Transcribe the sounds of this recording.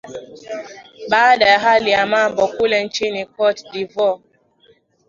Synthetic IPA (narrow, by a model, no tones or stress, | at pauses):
ɓaːdajaɦalijamambɔkulɛn̩t͡ʃinikɔtdivɔ